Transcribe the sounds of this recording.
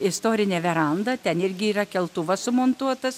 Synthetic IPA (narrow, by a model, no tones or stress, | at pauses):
ɪst̪oːɾʲɪnʲɛːʋʲɛɾɐnd̪ɐt̪ʲɛnɪɾʲɡʲɪiːɾɐkʲɛlˠt̪ʊʋɐssʊmont̪uɔt̪ɐs